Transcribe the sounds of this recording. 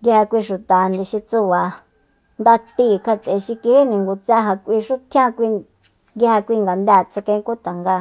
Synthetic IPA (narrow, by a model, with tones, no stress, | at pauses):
ŋɡi˧ha˧kʷi˧ʃu˨t̪a˨nd̪ĩ˨ʃi˧t͡su˧βa˨ | nd̪a˧t̪i˧˦˨kʰa˧t̪e˨ʃi˧ki˧hi˦nĩ˨ŋɡu˧t͡sa˦ɦa˧kʷi˧ʃu˦t̪ʰj̃ã˦kʷi˧ | ɡi˧ha˧kʷi˧ŋɡa˨nd̪a˧˨t͡sa˧kẽ˧˦˧ku˦t̪a˨ŋɡa˧